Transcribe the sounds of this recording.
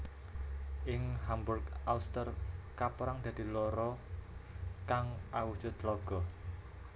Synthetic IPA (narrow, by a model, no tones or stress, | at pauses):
ʔɪŋhambʊrkʔaust̪ərkapɾaŋd̪̥ä̤d̪̥i̤lɔɾɔ | kaŋʔawud̥ʒ̥ɔ̤t̪lɔɡ̥ɔ